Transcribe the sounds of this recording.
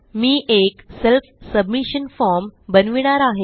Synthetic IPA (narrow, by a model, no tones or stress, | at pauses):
miːʔekselfsəbmiɕənfɔɾmbənʋiɳ̃aɾaɦe